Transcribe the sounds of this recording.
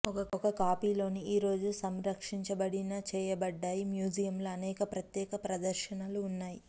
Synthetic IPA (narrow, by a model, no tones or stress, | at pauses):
ɔkɐɔkɐkaːpiːlo̞ːniiːɾo̞ːd͡ʒusɐmɾɐkʂiɲt͡ʃɐbɐɽinɐt͡ʃɛːjɐbɐɖːaːjimjuːd͡ʒijɐmloːɐnɛːkɐpɾɐt̪jɛːkɐpɾɐd̪ɐɾʃɐnɐluːnːaːji